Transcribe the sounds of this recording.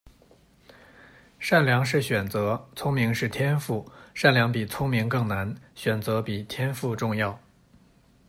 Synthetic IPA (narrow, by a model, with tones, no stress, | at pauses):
ʂa˥˩nljɑ˧˥ŋʂɻ̩˥˩ɕɥɛ˨˩nt͡sɤ˧˥t͡sʰʊ˥ŋmi˧˥ŋʂɻ̩˥˩t̪ʰjɛ˥nfu˥˩ʂa˥˩nljɑ˧˥ŋpi˨˩t͡sʰʊ˥ŋmi˧˥ŋkɤ˥˩ŋna˧˥nɕɥɛ˨˩nt͡sɤ˧˥pi˨˩t̪ʰjɛ˥nfu˥˧ʈ͡ʂʊ˥˧ŋjɑ˥˩ʊ